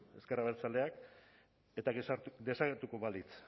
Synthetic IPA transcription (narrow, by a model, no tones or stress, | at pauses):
e̞skeraβe̞lt͡sale̞ak | et̪aɣesaɾd̪e̞saɣeɾt̪uko̞βalit͡s